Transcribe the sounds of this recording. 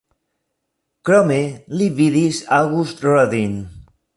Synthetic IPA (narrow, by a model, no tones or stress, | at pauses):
kɾɔmeliβiðisaɣust̪rɔðin